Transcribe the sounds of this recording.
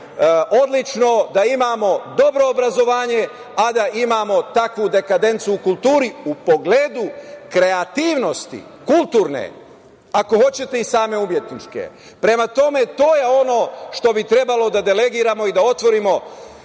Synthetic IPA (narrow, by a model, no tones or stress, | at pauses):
ʔo̞d̪lit͡ʃno̞d̪aimamo̞d̪o̞bɾo̞ːbɾazo̞ʋaːɲe̞ | ad̪aʔimaːmo̞t̪akʋud̪e̞kad̪e̞nt̪suːkulˠt̪uːɾiupo̞ɡleːd̪ukɾe̞at̪iːʋno̞st̪ḭkulˠt̪uːɾnḛ | ako̞ho̞t͡ɕe̞t̪e̞isaːme̞umje̞t̪nit͡ʃkḛ | pɾe̞mat̪o̞me̞t̪o̞ːje̞o̞no̞ʃt̪o̞bit̪ɾe̞balo̞d̪ad̪e̞le̞ɡiːɾamo̞id̪ao̞t̪ʋo̞ɾimo̞